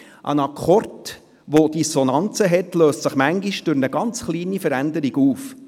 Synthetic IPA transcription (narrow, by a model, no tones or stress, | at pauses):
ʔə̰nɑkʰɔrt | ʋod̥isɔnɑnt͡səɦɛtløːstsəχmæŋɡiʃd̥ʉɾnəɡɑnt͡sχliːnifəɾændəɾiɡuːf